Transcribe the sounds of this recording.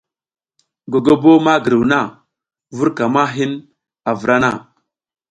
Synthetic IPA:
ɡo˨ɡo˦bo˦ma˦ɡə˨ɾi˨wna˦˨ | vu˦ɾka˨ma˦ɦi˦n | a˨və˨ɾa˦na˦˨

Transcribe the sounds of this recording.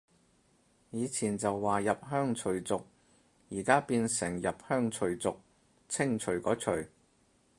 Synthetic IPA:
jiː˨˧t͡sʰiː˨˩nt͡sɐ˨wːaː˨jɐ˨p̚ɦœː˥ŋt͡ʃʰɵ˨˩ɥt͡sʊ˨k̚ | jiː˨˩kaː˥piː˧nsɪ˨˩ŋjɐ˨p̚hœː˥ŋt͡ʃʰɵ˨˩ɥt͡sʊ˨k̚ | t͡sʰɪ˥ŋt͡ʃʰɵ˨˩ɥkɔː˨˥t͡ʃʰɵ˨˩ɥ

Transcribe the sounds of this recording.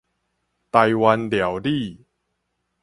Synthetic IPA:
t̪a˧jwa˧nlja˨˩˦wdi˥˧˨

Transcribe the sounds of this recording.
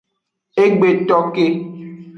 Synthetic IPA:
e˦ɡ͡be˨tɔ˦ke˦

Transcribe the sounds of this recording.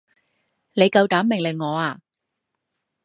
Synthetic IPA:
ne˨˧jkɐ˧wt̪aː˨˥mːɪ˨˩ŋlɪ˨ŋːɔː˨˧aː˧

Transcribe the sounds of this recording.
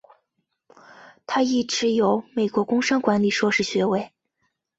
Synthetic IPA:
t̪ʰa˥i˥˩ʈ͡ʂɻ̩˧˥jo˧˥ʊme˨˩ɪkwɔ˧˥kʊ˥ŋʂɑ˥ŋkwa˧˥nli˨˩ʂwɔ˥ʂɻ̩˥˩ɕɥɛ˧˥we˥˩ɪ

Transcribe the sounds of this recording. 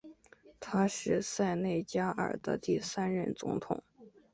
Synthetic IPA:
t̪ʰa˥ʂɻ̩˥˧sa˥˧ɪne˥˩ɪt͡ɕja˥ʔə̰˞˨˩d̪̥ə˦t̪i˥˩sa˥nɻə̰˥˩nt͡sʊ̰˧˥ŋt̪ʰʊ̰˨˩˦ŋ

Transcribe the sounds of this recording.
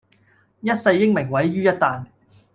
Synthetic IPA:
jɐ˥t̚sɐ˧jːɪ˥ŋmɪ˨˩ŋwɐ˨˥jɥyː˥jɐ˥t̚t̪aː˨n

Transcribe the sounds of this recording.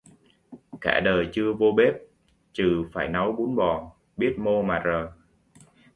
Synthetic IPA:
ka̰ː˧˩ɗəː˨˩jt͡ɕɨ˧əvo˧ɓe˦˥p̚ | t͡ɕɨ˨˩faː˧˩jna˨˦wɓu˨˦ənɓɔ˨˩ | ɓi˦˥ət̚mo˧maː˨˩zəː˨˩

